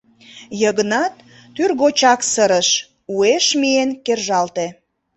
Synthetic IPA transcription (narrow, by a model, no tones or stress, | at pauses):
jəɣənɑt̪ː | yrɣot͡ɕɑksəɾəʃ | ueʃmienkerʒɑlt̪e